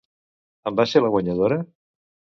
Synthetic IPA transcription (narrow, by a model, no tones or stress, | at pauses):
əmbaseləɣwəɲəðoɾə